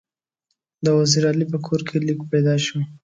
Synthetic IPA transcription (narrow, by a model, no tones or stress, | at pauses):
d̪əwaziɾɑlipəkʰoɾkʰelikpajd̪ɑʃu